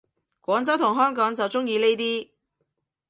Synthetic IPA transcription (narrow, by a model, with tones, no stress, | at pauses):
kʷɔː˨˥ŋt͡sɐ˥wt̪ʰʊ˨˩ŋɦœː˥ŋkɔː˨˥ŋt͡sɐ˨wt͡sʊ˥ŋjiː˧ne˥jt̪iː˥